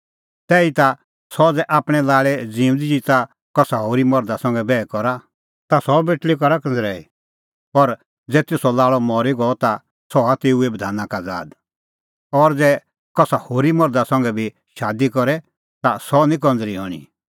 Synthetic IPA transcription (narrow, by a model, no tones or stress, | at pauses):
t̪ɛːit̪a | sɔd͡zɛʔaːpɽ̃ɛlaːɭɛd͡ziːʊ̃nd̪id͡ʒit̪a | kɔsaɦoːɾimɔɾd̪asɔ̃ŋɡɛbɛːkɔɾa | t̪asɔbeʈlikɔɾakɔ̃nd͡zɾɛːḭ | pɔɾ | d͡zɛːt̪eːsɔlaːɭɔmɔːɾiɡɔɔt̪a | sɔat̪eːuebəd̪ʱaːnakad͡za̰ːd̪ | ɔɾd͡zɛ | kɔsahoːɾimɔɾd̪asɔ̃ŋɡɛbʱi | ʃaːd̪ikɔɾɛ | t̪asɔnĩk̬ɔ̃nd͡zɾiɦɔ̰ɽ̃ḭ